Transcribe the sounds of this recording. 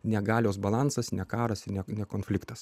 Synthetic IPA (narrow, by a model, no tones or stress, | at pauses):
nʲɛɡɑːlʲoːs̬bɐlˠɑnsɐsnʲɛkɑːɾɐsɪnʲɛnʲɛkoːnʲfʲlʲɪkt̪ɐs